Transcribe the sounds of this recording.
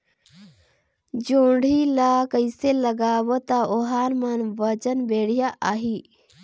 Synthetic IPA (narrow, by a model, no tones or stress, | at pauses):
d͡ʒuːɳɖʱilaːkəiseləɡaːwot̪aoɦaːnmanʋəd͡ʒənbeːɽijaʔaːɦi